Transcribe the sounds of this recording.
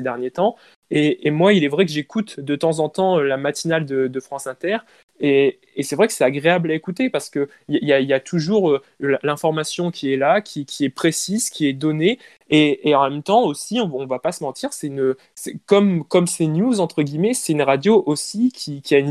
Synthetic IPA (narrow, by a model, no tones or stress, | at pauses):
ed̪ɛʁnjet̪ɑ̃ | eːmwailɛvʁɛkəʒekut̪d̪ət̪ɑ̃zɑ̃t̪ɑ̃ølamat̪inald̪əd̪əfχɑ̃sɛ̃t̪ɛʁ | eː | sɛvʁɛkə̥sɛt̪aɡʁeablaekut̪epaʁsə̥kə | ialjailjat̪ʰuʒuʁø | lalɛ̃fɔʁmasjɔ̃kʲʰiɛlakʲʰikʲʰiɛpχesizkʲiɛd̪ɔneː | ɑ̃mɛmt̪ɑ̃osiɔ̃ɔ̃vapasəmɑ̃t̪ʰiʁsɛt̪ynø | sɛkɔmkɔmsenjuzɑ̃t̪χəɡʲimɛsɛt̪ynʁad̪joʔosikʲʰikʲiayn